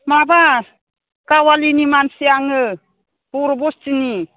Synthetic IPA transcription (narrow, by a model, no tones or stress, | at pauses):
maba | kawalinimansiaŋɯ | puɾbɔst͡ʃini